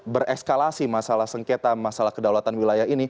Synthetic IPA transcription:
bərɛskalasimasalahsəŋket̪amasalahkədawat̪anwilajaɦini

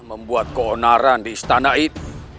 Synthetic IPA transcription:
məmbuat̪̚koonaɾandiːst̪anaʔit̪

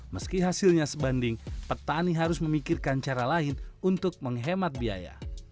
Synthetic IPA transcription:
məskiɦasilɲasəbandɪŋpət̪aniɦaɾʊsməmikirkant͡ʃaɾalaɪnunt̪ʊk̚məŋɦemat̪̚bia̰ja̰

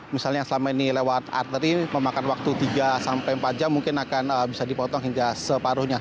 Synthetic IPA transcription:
misalɲajŋsəlamainilewat̪a̰rt̪əɾiməmakanwak̚t̪ut̪iɡasampajmpad͡ʒamːuŋkɪnakanəbisadipɔt̪ɔŋɦiŋɡasəpaɾuhɲa

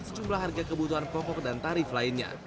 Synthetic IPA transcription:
səd͡ʒumblahɦarɡakəbut̪uɦanpɔkɔk̚dant̪aɾɪflaɪnɲa̰

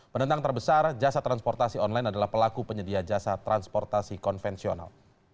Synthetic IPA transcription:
pənənt̪aŋt̪ərbəsard͡ʒasat̪ɾanspɔrt̪asiɔnlajnadalahpəlakupəɲədiad͡ʒasat̪ɾanspɔrt̪asikɔnfɛnsio̰na̰l

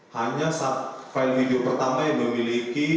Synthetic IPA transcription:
haɲasafaɪlfideopərt̪amajaŋməmiliki

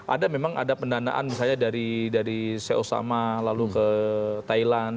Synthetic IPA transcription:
ʔa̰damemaŋʔa̰dapəndana̰ʔa̰nmisalɲadaɾidaɾiseʔosa̰malalukət̪ailan

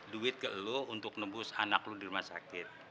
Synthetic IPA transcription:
duɪt̪̚kəʔlount̪ʊk̚nəbʊsanakludiɾumasa̰kɪt̪̚

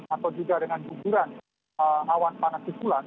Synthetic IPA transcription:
at̪awd͡ʒuɡadəŋanɡuɡuɾan | əawanpanasisulan

